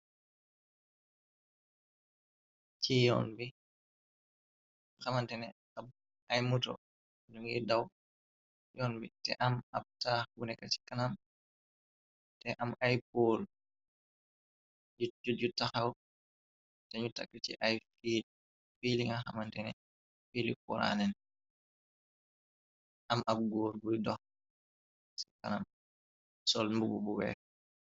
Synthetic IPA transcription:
t͡ʃijɔ̰nbi | xamantɛnɛ | a | ʔajmutɔ̰ | duŋidaw | jɔnbitɛ̰ʔamab̚taunɛkat͡ʃi̥kanam | tɛʔamajp̚ul | ud͡ʒuɟutːaxaw | tɛɲuta̰kːitḭʔajfil | filiŋaxamantɛnɛ | filip̚ːɔ̰ɾa̰nɛn | ʔamʔab̚ɡɔːɾɡujdɔx | si̥kanam | sɔlmbububuwɛ̰ː

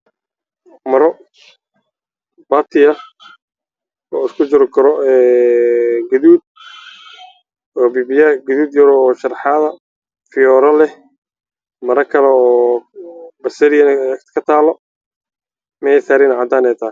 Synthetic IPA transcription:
mɐɾɔ | baːt̪ʰɪjɐ | ɔːɪskʰʊd͡ʒɪɾɪkʰɐɾɔɛː | ɡɐðuːd̪̚ | ɔːbibɪjɐɡɐðuːd̪jɐɾɔːʃɐrħaðɐ | fɪjɔːɾɐlɛ | mɐɾɐkʰɐlɛɔː | bɐsɛɾɪjɐnɐkʰɐt̪ʰaːlɔ | mɛsaːɾɪnʕad̪aːnɛjt̪ʰaː

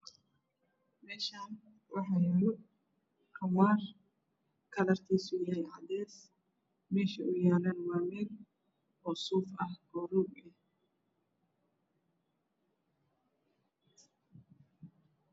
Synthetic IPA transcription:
mɛːʃaːn | wɑħɑːjɪɾɪ | kʰɐwaːr | kʰɐlɐrt̪ʰiːsʊjɐɦɛjʕɑd̪ɛːs | mɛːʃɐʔʊjaːlɐnwaːmɪn | ɔːsuːfɐhɡɔːɾuːɡɛh

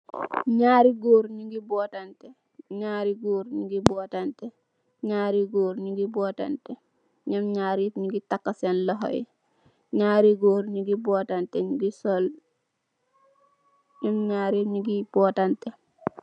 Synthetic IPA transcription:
ɲaːɾiɡoːɾɲiɡibɔːtantɛ | ɲaːɾiɡoːɾɲiɡibɔːtantɛ | ɲaːɾiɡoːɾɲiɡibɔːta̰ntɛ | ɲɐmɲaːɾitɲiɡitakːasenlɔɦɔ̰j̰ | ɲaːɾiɡoːɾɲiɡibɔːtantɛɲiɡisɔl | ɲɐmɲaːɾiɲiɡib̥ɔːtantɛ

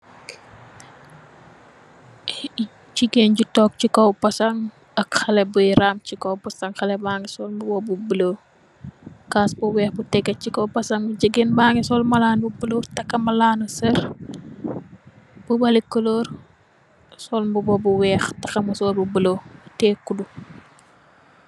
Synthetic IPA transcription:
ciɡenɟutɔːk̚cikɔwpɐsɐŋ | ɐkxɐlɛbuɾaːmcikowpɐsɐŋxɐlɛbaŋisɔːlmbubɔbubəlo | kaːsbuwɛːxbutɛɡɐt̚cikɐwpɐsɐŋɟəɡenbaːŋisɔːlmɐlaːnbubəlotɐkːɐmɐlaːnusɐɾ | b̥ubɐlikɐloːɾ | sɔlmbubɔbuwɛːxtɐxɐmusɔːlbubəlotɛːkːudu

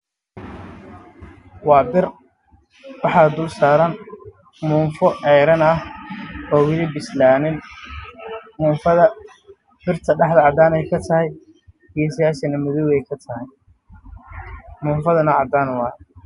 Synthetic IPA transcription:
wɑːbɪr | wɑħɑd̪ʊlsaːɾɐn | mʊɱfɔʔɛjɾɐnɐhɔːɣɪðɪbɪslaːnɪn | mʊːnfɐðɐ | b̥ɪrt̪ʰɐɖɑħd̪ɐʕɑd̪aːnɛjkʰɐt̪ʰɐɦɛj | ijɔsɐjaːʃɐnɐmʊðʊɣɛjkʰɐt̪ʰɐɦɛj | mʊɱfɐðɐnɐʕɑd̪aːnwɑː

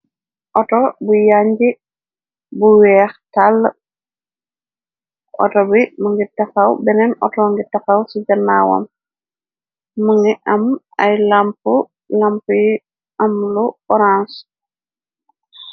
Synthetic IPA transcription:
ʔɔtɔbujaɲd͡ʒi | buwɛːxtal | ʔɔ̰tɔbimuŋɡitaxawbɛnɛnʔɔ̰tɔŋɡitaxawsid͡ʒɐnːawa̰m | uŋɡiʔɐm | ajlampu | lampuj | ʔamluɔɾãns

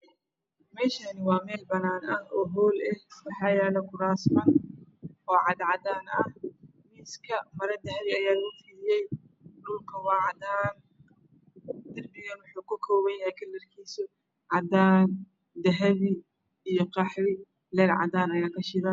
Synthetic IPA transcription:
mɛːʃɐnɪwɑːmɛːlbɐnaːnɐhɔːɦɔːlɛhwɑħɑːjɛːlɛkʰʊɾaːsmɐn | ɔːʕɑd̪ʕɑd̪aːnɐh | miːskʰɐmɐɾɐd̪ɐɦɐβɪɐjaːlɐɣʊfɪlɪjɛj | ɗʊlkʰɐwɑːʕɑd̪aːn | d̪ɐrbɪɣɐnwʊħuːkʰʊkʰɔːwɐnjɐɦɛjkʰɐlːɐrkʰiːsʊ | ʕɑd̪aːn | d̪ɐɦɐβɪ | ijɔqɑħwɪ | lɛːlʕɑ̰d̪aːnɐjaːkʰɐʃɪɾaː

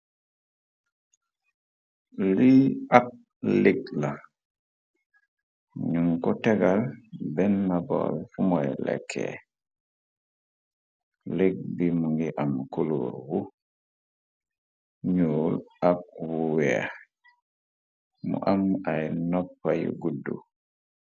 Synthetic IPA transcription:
liak̚ | lik̚la | ɲuŋkɔtɛɡalbɛnːabɔ̰lfumɔjlɛ̰kʰːɛ̰ | lek̚bimuŋɡiʔamkulo̰ɾwu | ɲoːlʔak̚wuwɛa̰ | mṵʔamajnɔpːajṵɡudːṵ

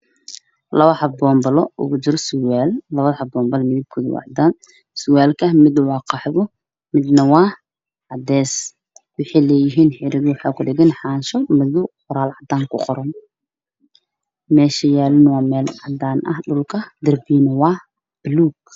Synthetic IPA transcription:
lɐβɐħɑbɔːmbɐlɔʔʊ̰ɣʊt͡ʃɪɾɔsʊwaːlːɐβɐðhɐbɔːmbɐlmɪðɪb̚kʰʊðwɑ̰ʕd̪aːn | sʊwaːlkʰɐmɪd̪wɑːqɑħðʊ | mɪd̪nɐwɑː | ʕɑd̪ɛːs | wʊħɑjlɛːjɪɦiːnħɪɾɪɣwʊħɑːkʰʊɖɪɣɪnħɑːnʃɔmɪðʊqʊɾaːlʕɑd̪aːŋkʰʊqɔɾɐn | mɛːʃɐjaːlʊnwɑːmɛːlʕɑd̪aːnʔɐ̰hɖʊlkʰɐd̪ɐrbiːnɐwɑː | b̥ɪluːɡ̚

